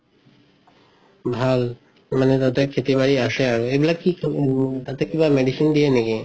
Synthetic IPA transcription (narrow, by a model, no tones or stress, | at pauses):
bʱal | manet̪ad̪eɾkʰet̪ibaɽiaʃeaɾoeblakit̪at̪ekibameɖisind̪ijeneɡe